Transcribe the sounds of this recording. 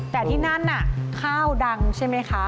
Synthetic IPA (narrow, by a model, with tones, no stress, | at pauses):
t̪ɛː˨˩t̪ʰiː˥˩na˥˩nʔa˨˩kʰaː˥˩wda˧ŋt͡ɕʰa˥˩jma˦˥jkʰa˦˥